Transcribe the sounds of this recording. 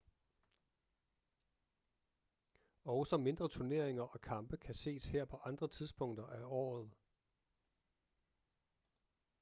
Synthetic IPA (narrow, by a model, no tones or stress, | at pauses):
ɒʊsɒ̽me̝nd̥ʁɐt͡sʰuɐne̝ɐ̰eŋɐʔɒ̽kʰɑ̈mb̥əkʰæse̝̰ːsheɐ̰pʰɒ̽ʔɑ̈nd̥ʁɐt͡sʰiðˠsb̥ʰɔ̽ŋ̰d̥ɐʔæɒ̰ːð̞̩ˠ